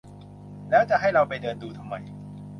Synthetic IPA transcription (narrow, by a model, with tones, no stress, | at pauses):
lɛː˦˥wt͡ɕa˨˩ʔɦa˥˩jɾa˧wpa˧jdɤː˧nduː˧t̪ʰa˧mːa˧j